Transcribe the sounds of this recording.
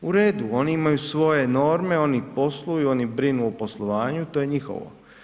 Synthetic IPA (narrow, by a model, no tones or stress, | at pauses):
uɾe̞ːd̪uo̞niimajusʋo̞je̞no̞ːɾme̞o̞nipo̞slˠujuo̞nibɾinuopo̞slˠoʋaːɲut̪oje̞ɲixo̞̰ʋo̰